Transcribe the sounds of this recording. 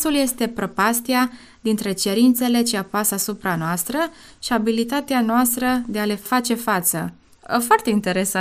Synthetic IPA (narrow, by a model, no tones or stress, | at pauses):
sulje̞st̪e̞pɾo̞past̪ia | d̪int̪ɾe̞t͡ʃe̞ɾint̪se̞le̞t͡ʃiapasasupɾanoast̪ɾə | ʃiabilit̪at̪eanoast̪ɾəd̪e̞ale̞fat͡ʃe̞fat̪sə̰ | foart̪e̞int̪e̞ɾe̞sa